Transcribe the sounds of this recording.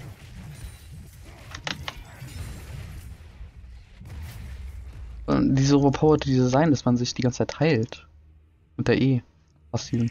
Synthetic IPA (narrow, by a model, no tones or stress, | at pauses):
ʔə̰diːzəbɐpʰaʊɐtdiːzəzaɪndasmanzɪçd̥iɡant͡sət͡saɪtʰːaɪlt | ʔʊnt̚d̥eɐʔeː | fasiːvn̩